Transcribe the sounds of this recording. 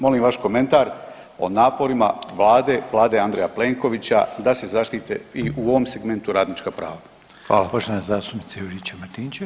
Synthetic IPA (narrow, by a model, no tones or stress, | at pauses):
mo̞limʋaʃko̞me̞nt̪aːɾ | o̞̰naːpo̞ɾimaʋlˠaːd̪e̞ʋlˠaːd̪e̞and̪ɾejaple̞ːŋko̞ʋit͡ɕa̰d̪ase̞zaʃt̪iːt̪ḛiuoʋomseɡme̞nt̪uɾaːd̪nit͡ʃkapɾa̰ːʋa | xʋa̰ːlapoʃt̪oʋanezaːst̪upnit̪eiʒit͡ɕemat̪iːnt͡ɕe